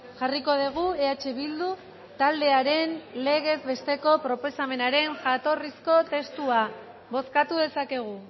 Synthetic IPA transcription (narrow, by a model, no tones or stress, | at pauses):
ʝariko̞ð̞eɣ̞ueat͡ʃe̞βild̪u | t̪ald̪e̞aɾe̞nle̞ɣe̞zβe̞st̪eko̞pɾo̞po̞same̞naɾe̞nʝat̪o̞risko̞t̪e̞st̪ua | βo̞skat̪uð̞e̞sake̞ɣ̞u